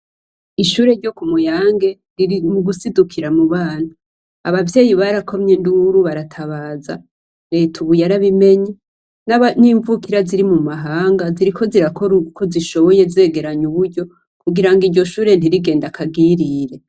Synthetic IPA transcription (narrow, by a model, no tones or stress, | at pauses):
iʃuːɾe̞ɾɟo̞kumujaːŋɡe̞ | ɾiɾimuɡusidukʰiɾamuβaːn̥hu | a̰βavje̞ːjiβaɾakʰo̞mɲe̞nduɾuβaɾatʰaβaːza̰ | ɾetʰuβujaɾaβime̞ɲe | naaniːɱvukiɾaziɾimumaɦaːŋɡaziɾikʰo̞ziɾako̞ɾuɡuko̞ziʃo̞βo̞je̞ze̞ːɡe̞ɾaɲuβuɾɟo̞ | kuɡiɾaŋɡiɾɟo̞ʃuːɾe̞ntiɾiɡe̞ːndakʰaɡiɾiɾe̞